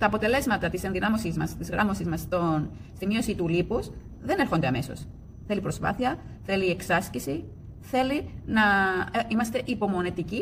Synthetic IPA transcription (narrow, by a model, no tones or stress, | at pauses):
t̪ɐːpo̞t̪e̞le̞zmɐt̪ɐt̪ise̞nðinɐmo̞sizmɐst̪izɣɾɐ̰mo̞sizmɐst̪on | st̪imio̞sit̪ulipus | ðe̞ne̞ɾxo̞nd̪eɐme̞so̞̰s | θe̞lipɾo̞spɐ̰θiɐ | θe̞lieksɐscisi | θe̞linɐimɐst̪e̞ʔipo̞mo̞nit̪ici